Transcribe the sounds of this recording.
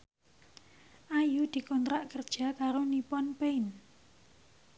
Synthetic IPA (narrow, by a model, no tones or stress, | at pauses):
ʔajud̪̥i̤kɔnt̪ɾaʔkərd̥ʒ̥a̤kaɾonipɔnpein